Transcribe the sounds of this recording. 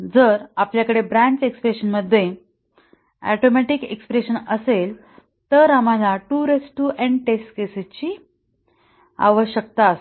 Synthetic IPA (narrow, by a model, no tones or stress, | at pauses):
d͡zəɾapljakəɽebɾæ̃ɲt͡sekspɾeɕənməd̪ʱːje | æ̰ʈomæʈikḛkspɾeɕənəsel | t̪əɾam̤alaʈuɾesʈuːʔɛ̃ɳɖʈesʈkeset͡ɕiː | a̰ʋəɕək̚t̪as